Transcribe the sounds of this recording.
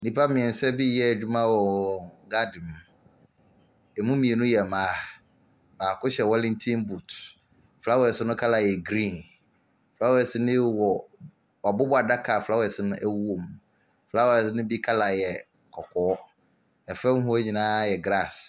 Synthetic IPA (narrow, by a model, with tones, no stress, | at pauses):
nĩ˨pʰa˦mɪ̃˨ɛ̃˨n˨sɛ˦bi˦jɛ˦˨d͡ʑᶣu˦mã˦wɔ˨ɡa˦dɪ̃˨m | ɛ˨mũ˦mĩ˨e˨nʊ̃˦jɛ˨mãː˨˦˨ | baː˨kʊ˦ɕɛ˨wɔ˦lɪ̃˦ntʰĩ˦nbu˨t | fla˦wɛ˨sɪ˦nʊ̃˦kʰa˦la˨jɛ˨ɡɾĩ˦˨n | fla˦wɛ˨sɪ˦nɪ̃˦wɔ˨ | wa˨bʊ˦ba˨da˦kʰa˨fla˦wɛ˨sɪ˦nʊ̃˦ʔæ˦wu˦o˨m | fla˦ws̬ɪ˦nʊ̃˦bi˦kʰa˦la˨jɛ˨ | kʰɔ˨kʰɔ˨˦ | ɛ˨fɛ̃˦m˦ɦʊ˦ɲĩ˨nãː˦jɛ˨ɡɾa˦˨s